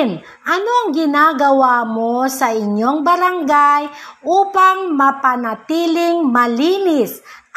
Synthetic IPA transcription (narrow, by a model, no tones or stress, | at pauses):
n | ʔɐno̞ʔɐŋɡɪnaɡɐwamosɐʔɪɲːoŋbɐɾaŋɡajʔuːpɐŋmɐpɐnɐt̪iːlɪŋmɐliːnɪs